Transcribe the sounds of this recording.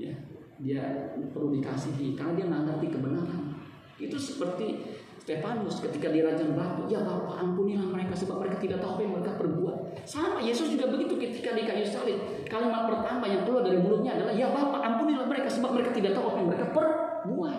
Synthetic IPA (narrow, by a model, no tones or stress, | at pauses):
ja̰ | dia̰pəɾudika̰siɦikarnadiaŋəaŋɡapikəbənaɾan | it̪usə̥pərt̪i | st̪efanʊskət̪ikadiaɾad͡ʒaŋblat̪ujabaɦupa̰ʔampunilahməɾekasəbap̚məɾekat̪idaʔt̪aɦuapajaŋməɾekapərbuat̪̚ | sampajesʊsd͡ʒuɡabəɡit̪ukət̪ikadikajusalɪt̪̚ | kalomalapərt̪amajaŋt̪əluadaɾibuɾʊt̪̚ɲaːdalahjabaupaʔampunilahməɾekasəbap̚məɾekat̪idaʔt̪aɦowapajaŋməɾekapər | bua